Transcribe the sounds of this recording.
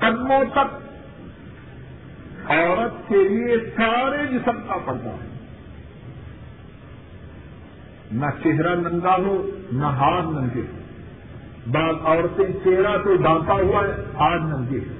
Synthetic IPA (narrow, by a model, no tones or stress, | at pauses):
kɐd̪mõt̪ɐk̚ | ɔːɾət̪̚keliesaːɾed͡ʒɪsəmkapɐɽt̪a̰ːɦɛ̰̃ | nɐt͡ʃeɦɾanɐ̃nd̪aɦonaɦaːɾnɐ̃nɡ̪e | baːzɔːɾt̪ẽt͡ʃeɦɾat̪od̪ãːt̪aɦuaːɦɛaːɾnɐ̃nɡ̪e